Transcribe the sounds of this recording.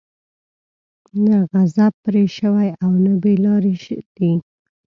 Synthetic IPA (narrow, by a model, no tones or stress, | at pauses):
naɣazab̚pːɾeʃəwajawnəbelɑɾeʃəd̪̥i